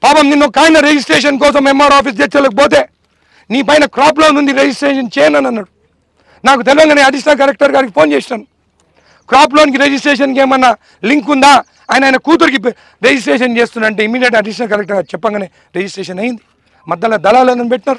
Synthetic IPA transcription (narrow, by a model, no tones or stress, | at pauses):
paːpɐmninːukaːjnɐɾed͡ʒis̬ʈɾeːʂ̬ɐnk̬ɔːs̬ɐmemːaːɾaːp̬iːs̬d͡ʒet͡ʃːɐlɐkipoːt̪e̞ː | niːpɐjɐnɐkɾaːploːnund̪iɾed͡ʒisʈɾeːʃɐnt͡ʃeːjɐnɐnɐnːaːɽu | naːkut̪eliʋɐŋɡaːneːɐɖiʃɐnɐlkɐɾek̚ʈɐɾɡaːɾikipʰo̞ːnt͡ʃeːsaːnu | kɾaːp̬lonikiɾed͡ʒisʈɾeːʂ̬ɐnkeːmɐnːɐ | liŋkund̪aː | aːjɐnɐaːjnɐkuːt̪̬uɾikip | ɾed͡ʒisʈɾeːʃɐnt͡ʃeːst̪und̪ɐɳʈeːimːiːɖjeʈɐɖiʃ̬ɐnɐlkɐɾek̚ʈɐɾɡaːt͡ʃɛpːɐŋɡaːneː | ɾed͡ʒisʈɾeːʃɐnɐjind̪i | mɐd̪ːɐlad̪ɐlaːloːnɐnibeʈːinaːɾu